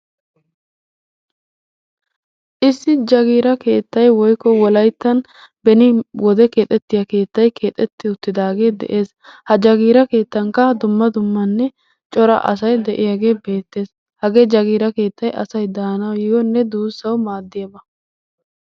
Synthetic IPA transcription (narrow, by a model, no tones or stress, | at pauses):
ʔɪsːɪd͡ʒɐɡiːɾɐke̞ːt̪ːɐjwɔjkːɔwɔlɐjt̪ːɐn | bɛnɪwɔd̪ɛkeːt̪ʼɛt̪ːɪjɐke̞ːt̪ːɐjkʰe̞ːt̪ʼɛt̪ːɪʊt̪ːɪd̪aːɡe̞ːd̪ɛ̰ʔe̞ːs | hɐd͡ʒɐɡiːɾɐke̞ːt̪ːɐŋkːɐd̪ʊmːɐd̪ʊmːɐnːɛ | t͡ʃʼɔɾɐ̰ʔɐ̰sɐjd̪ɛʔɪjaɡe̞ːbe̞ːt̪ːe̞ːs | hɐɡeːd͡ʒɐɡiːɾɐke̞ːt̪ːɐjʔɐsɐjd̪aːnɐwjɪjɔnːɛd̪uːsːɐwmaːd̪ːɪjɐbɐ